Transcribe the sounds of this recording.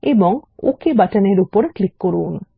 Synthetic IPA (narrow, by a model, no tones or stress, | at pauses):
eboŋo̰kebaʈɐneɾupoɾəklikːoɾuːn